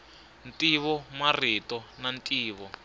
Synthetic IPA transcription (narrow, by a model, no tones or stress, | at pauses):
ntʼiβɔmaritɔnantʼiːβɔ